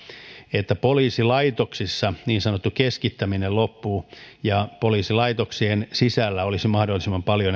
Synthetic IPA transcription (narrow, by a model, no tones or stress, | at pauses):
et̪ːæpoliːsilɑit̪oksisːɑniːnsɑnot̪ːukeskit̪ːæminellopːuːjɑpoliːsilɑit̪oksiensisælːæolisimɑhdolːisimːɑmpɑljo